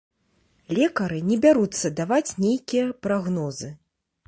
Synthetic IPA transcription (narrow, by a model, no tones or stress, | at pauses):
lʲɛkɐɾɨnʲɛbʲaɾut̪sːɐd̪avat͡sʲnʲejkʲijɐpɾaɣnɔzɨ